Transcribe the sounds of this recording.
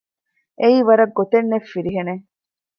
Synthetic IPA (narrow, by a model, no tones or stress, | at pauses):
ʔeiːʋɐɾɐɡːot̪enːefːiɾiɦene